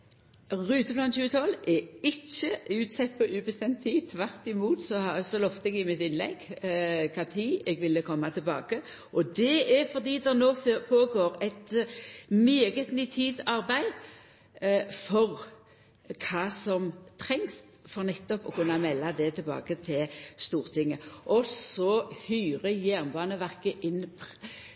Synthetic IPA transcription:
ʁʉːt̪əblɑnt̪çʉːət̪ʰɔlːɛɪçːəʉːt̪sɛt̪̚ːpʰɔʔʉːbəst̪ɛmt̪ʰːiːt̪ʰʋæʁt̪ɪmuːt̪sɔsɔlɔft̪əɛɡɪmɪt̪ɪnlɛ̰ɡkʰɑt̪ʰiːɛɡʋɪlːəkʰɔmːat̪ʰɪlbɑ̰ːɡə | ʔɔd̪ɛɛɾfɔʁd̪iːd̪ɛnoːpʰoːɡoːʁɛɪt̪ | meːɡət̪nyːt̪ʰiːd̪ɑʁbæɪ | fɔʁ | kʰɑːsɔmt̪ʰɾɛŋst̪fɔɾnɛt̪ːɔpɔkʉnːamɛlːad̪ɛt̪ʰɪlbɑ̰ːɡət̪ʰɪlst̪uːʁt̪ʰɪŋːəʔɔsɔhyːʁəjæʁnbɑːnəʋæʁkəʔɪnpʰ

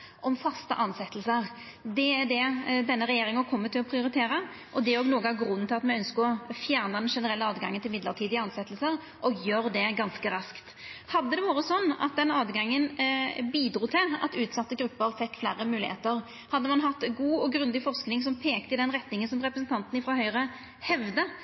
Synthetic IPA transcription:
ʔɔmfɑst̪ə̰ʔɑnsɛt̪ːəlsəɾ | d̪ɛæɖ̪ɛd̪ɛnːəɾɛjeːɾɪŋəkʰɔmːət̪ʰɪlɔpʰɾɪʊɾɪt̪ʰeːɾə | ʔɔd̪ɛɔɡnoːɡəɑɡɾʉnːt̪ʰɪlɑt̪mɛɪœnskəɔfjæːʁnɑd̪ɛnʂɛnəɾɛlːəɑːd̪ɡɑŋːənt̪ɪmɪd̪ləʁt̪ʰiːd̪ɪɑnsɛt̪ːəlsəɾ | ʔɔɡjøːɾd̪ɛɡɑnskəɾɑskt̪ | hɑd̪ːəd̪ɛʋɑːɾəsɔnːɑ̰t̪̚d̪ɛnɑːd̪ɡɑŋːənbiːd̪ɾuːt̪ʰɪlɑ̰t̪ʉːt̪sɑt̪ːəɡɾʉpːəɾfɛkːflæ̰ːɾəmʉːlɪhḛːt̪əʁ | hɑd̪ːəmɑnɦɑt̪ːɡuːɔɡɾʉnd̪ɪfɔʁsknɪŋsɔmpʰeːkt̪əɪd̪ɛnʁɛt̪nɪŋənsɔmʁɛpɾəsən̩t̪ɑnt̪n̩ɪfɾɑːɦœʏʁə | hɛʋd̪ə

